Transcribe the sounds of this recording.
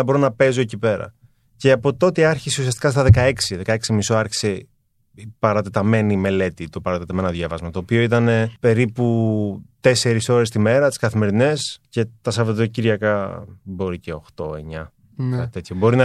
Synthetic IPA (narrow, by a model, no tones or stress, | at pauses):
ɐbo̞ɾonɐpe̞zoecipe̞ɾɐ̰ | ce̞ɐpo̞t̪o̞t̪eɐɾçiseusiɐst̪ikɐst̪ɐðe̞kɐe̞ksiðe̞kɐeksimisoɐɾçi̥se | ipɐɾɐt̪et̪ɐme̞nime̞le̞t̪it̪o̞pɐɾɐt̪et̪ɐmenɐðʝɐvɐzmɐt̪o̞ːpio̞it̪ɐne̞pe̞ɾiput̪e̞se̞ɾiso̞ɾe̞st̪ime̞ɾɐt̪i̥skɐθime̞ɾine̞sce̞t̪ɐsɐvot̪ociɾʝɐkɐbo̞ɾiceo̞xt̪o̞̰e̞̰ɲɐ | ɐt̪e̞t̪çobo̞ɾinɐ